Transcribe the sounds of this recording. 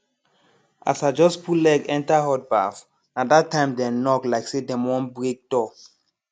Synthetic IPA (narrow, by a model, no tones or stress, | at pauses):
ʔa̰sad͡ʒɔspʰulɛɡɛ̃ntaɦɔt̚ba̰f | nadatːãɪ̃mdɛ̃nɔklaɪksedɛ̃mwɔ̃nbɹek̚d̥ɔ